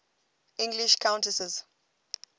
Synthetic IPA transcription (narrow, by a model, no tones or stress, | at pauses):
ʔɪ̃ŋɡliʃkʰãʊ̃ntəsɛz̥